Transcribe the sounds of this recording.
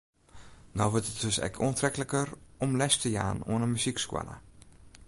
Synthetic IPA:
nɔwʋøtət̚døsɛ̰kʰoəntrɛkələkərɔmlɛstəja̰ːno̰ənənmyzikskwa̰la̰

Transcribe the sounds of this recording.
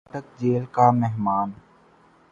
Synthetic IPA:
ʈək̚d͡ʒeːlkamɛɦmaːn

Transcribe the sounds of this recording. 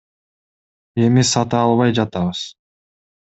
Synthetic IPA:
e̞misɑt̪ɯɑlˠβɑjd͡ʒɑt̪ɑβɯz̥

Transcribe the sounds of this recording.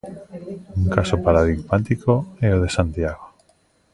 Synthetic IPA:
uŋkasopaɾað̞iɣmat̪ikoɛoð̞esant̪jaɣo

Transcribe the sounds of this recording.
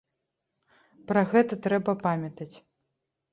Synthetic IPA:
pɾɐɣɛt̪ɐt̪ɾɛbɐpamʲɐt̪ɐt͡sʲ

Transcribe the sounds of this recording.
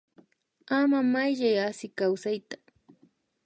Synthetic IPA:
amamajʎajasɪkawsajt̪ḁ

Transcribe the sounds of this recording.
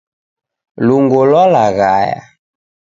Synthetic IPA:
luŋɡolɔlaɣaja̰

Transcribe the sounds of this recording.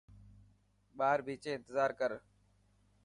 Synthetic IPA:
ɓaːɾbʱiːt͡ʃẽːɪnt̪əzaːɾkəɾ

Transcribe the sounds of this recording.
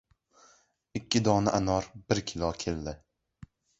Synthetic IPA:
ɪkʲʰːɪd̪ɒnaʔanɒɾbɪɾkʲʰɪlˠɒkʲʰeld̪ɪ

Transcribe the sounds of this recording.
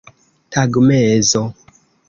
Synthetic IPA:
tʰaɡmɛzɔ

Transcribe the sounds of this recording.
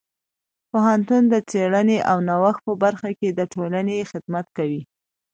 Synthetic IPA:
poɦant̪und̪ət͡seɽəneʔawnawax̚pəbaɾxaked̪əʈolanexɪd̪mat̪kawi

